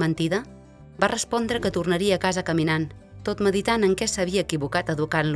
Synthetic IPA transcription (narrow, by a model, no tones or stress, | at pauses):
mənt̪iðə | barəspɔnd̪ɾəkət̪urnəɾiəːkazəkəminan | t̪ot̪məðit̪anəŋkɛsəβ̞iəːkiβukat̪əðukanl